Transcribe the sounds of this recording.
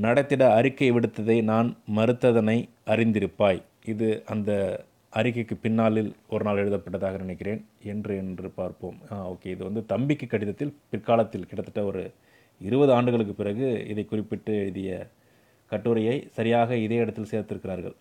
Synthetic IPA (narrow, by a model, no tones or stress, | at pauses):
nɐɽɐɪt̪ːɪɽɐɐɾɪkːɐɪʋɪɽɯt̪ːɐðɐɪnaːnmɐɾɯt̪ːɐðɐnɐɪ | ʔɐrɪnd̪ɪɾɯpːaːj | ɪðɯʔɐnd̪ɐ | ʔɐɾɪkːɐɪkːɯpːɪnːaːlɪlɔɾɯnaːlɛɻɯðɐpːɐʈːɐðaːɣɐnɪnɛɪkːɪreːnɛndrɯɛndrɯpaːɾpo̰ːmaːo̰ːkeːɪðɯʋɐnd̪ɯt̪ɐmbɪkːɯkːɐɽɪðɐt̪ːɪlpɪrkaːlɐt̪ːɪlkɪɽɐt̪ːɯ̥ʈːɐɔɾɯ̰ | ɪɾɯbɐðɯaːɳɖɯɣɐɭɯk̬ːɯpːɪrɐɣɯɪðɐɪkːʊrɪpːɪʈːɯɻðɪjɐ̰ | kɐʈːɯɾɐjɐɪsɐɾɪjaːɣɐɪðeːɪɽɐt̪ːɪlseːɾt̪ːɪɾɯkːɪɾaːɾɣɐ̰ɭ